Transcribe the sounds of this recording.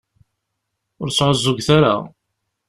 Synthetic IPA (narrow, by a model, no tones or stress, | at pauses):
ʊɾsːʕəzːʊɡθaɾa̰